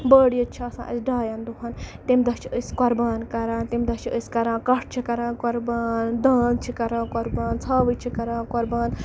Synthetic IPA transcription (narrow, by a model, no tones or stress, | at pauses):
bəːɽijɐt͡ʃʰiɐsã̰ːʔɐ̰sʲɖaːjaːnd̪uɦaːnt̪imd̪ɐt͡ʃʰiəskɔɾbaːnkɐɾãːnt̪imd̪ɐt͡ʃʰiəsʲkɐɾãːnkɐʈ̚ʰt͡ʃʰikɐɾãːnkɔɾbaːnd̪aːnt͡ʃʰikɐɾãːkɔɾbaːnt͡sʰaːʋɨt͡ʃʰikɐɾãːkɔɾbaːn